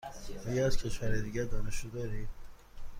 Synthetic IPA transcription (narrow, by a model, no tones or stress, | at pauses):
eɡæz̥cʲʰeʃvæɾed̪iːɡæd̪ɒːneʃod̪ɒːɾiːm